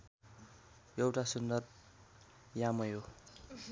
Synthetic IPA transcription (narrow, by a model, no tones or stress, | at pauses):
jʌwʈasund̪ʌrb | jamʌjo